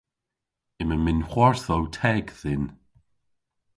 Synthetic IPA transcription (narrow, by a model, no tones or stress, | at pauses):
ɪməmɪnxwɔɹθɔwtʰɛːɡðɪn